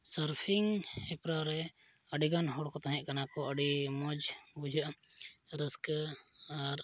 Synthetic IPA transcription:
səɾpʰiŋɛpɾaɾɛ | əɖiɡanɦɔɽkɔt̪aɦɛ̃ʔkanakɔəɖimɔd͡ʒbud͡ʒʱaʔɾəsk | aɾ

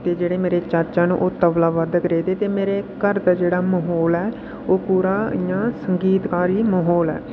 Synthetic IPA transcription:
t̪eːd͡ʒeːɽeːmeːɾeːt͡ʃəɾt͡ʃaːnṵ̃ːʔoːt̪əʋlaːʋəd̪kəɾeːd̪eːt̪eːmeːɾeːkəɾd̪aːd͡ʒeːɽaːməɦɔːlɛː | oːpuːɾaːjãːsəŋɡiːt̪kaːɾiːməɦɔːlɛ̰ː

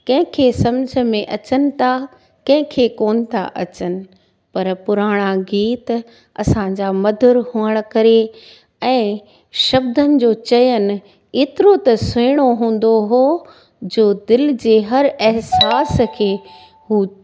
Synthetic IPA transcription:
kɐ̃ɦɪ̃kʰeːsɐmd͡ʑʱə̆mẽʔɐt͡ɕənɪ̆t̪ʰa | kɐ̃ɦɪ̃kʰeːkoːnɪ̆t̪ʰa̰ʔɐt͡ɕənɪ̆ | pɐɾpʊɾaːɽ̃aɡiːt̪ | ɐsãɲd͡ʑamɐd̪ʱʊɾhuːəɽ̃̆kɐɾe | ɛ̃ː | ʃɐbd̪ənɪ̆d͡ʑoːt͡ɕɐjənɪ̆ | eːt̪ɪɾot̪ɐseːɽ̃oɦũːn̆d̪oɦoː | d͡ʑoːd̪ɪld͡ʑeːɦɐɾɪɦsaːskʰeː | huː

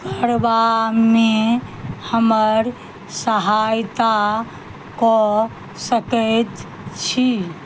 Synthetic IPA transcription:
kəɾʋame | həməɾ | səɦajt̪a | kɔ | səkət̪ | t͡ʃʰi

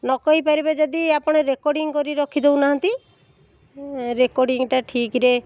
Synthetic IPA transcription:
nɔkɔɦipaɾibad͡ʒɔd̪iapɔɽ̃eɾekɔɾɖiŋkɔɾiɾɔkʰid̪eunaɦant̪i | ɾekɔɾɽiŋʈaʈʰikɾe

